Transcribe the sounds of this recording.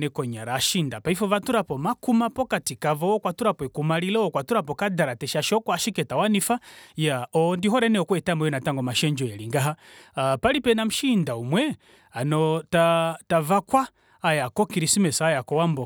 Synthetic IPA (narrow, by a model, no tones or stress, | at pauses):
nɛkɔɲaɾaːʃindapaifɔvatuɾapɔmakumapɔkatikavɔwɔkwatuɾapɔɛkumalilɔwɔkwatuɾapɔkadaɾatɛʃaʃɔkɔaʃikɛtawanifajaɔndiɦɔɾɛnɛɔkwɛtamɔjɔnataŋɡɔmaʃɛɲd͡ʒɔɛliŋɡaɦapalipɛnam̩ʃindaumwɛ | anɔtatavakwaː | jakɔkiɾisimɛsajakɔwambɔ